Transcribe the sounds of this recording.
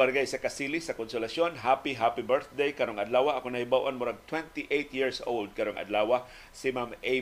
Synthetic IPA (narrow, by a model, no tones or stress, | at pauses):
ɐɾɡajsɐkɐsiːlɪsɐkʊnsʊlɐsjonɦaːpiɦapibɛɹθd̪ejkɐɾoŋʔɐd̪laːwaʔɐkonɐhɪbawʔanmʊɾaɡ̚t̪wɛnt̪iʔejt̪jiɹsʔowld̪̚kɐɾoŋʔɐ̰d̪laːwa | sɪmame